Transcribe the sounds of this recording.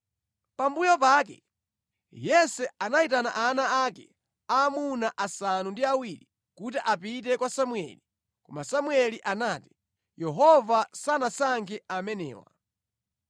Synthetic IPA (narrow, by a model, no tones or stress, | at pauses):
pambujɔp̬aːk̬ɛ̰ | jɛsɛanaitana̰ʔanaakɛ | amunaʔasanundiawiːli | kut̬iʔapit̬ɛkwasamwɛ̰li | kɔmasamwɛliʔanaːti̥ | jɛɦɔvasanasaŋkʰɛamɛnɛ̰ːwa̰